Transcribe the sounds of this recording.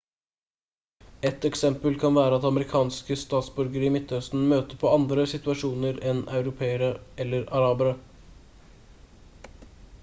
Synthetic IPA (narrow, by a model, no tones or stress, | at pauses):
ɛt̪ɛksɛmpəlkʰɑnʋæːɾəɑt̪ɑməɾɪkʰɑːnskəst̪ɑːt̪sbʉɾɡəɾiːmɪt̪ːœst̪n̩møːt̪əpʰɔɑnd̪ɾəsɪt̪ʋɑʂuːnəɾɛnɑʉɾʊpʰeːəɾəʔɛlːəɾɑɾɑːbəɾə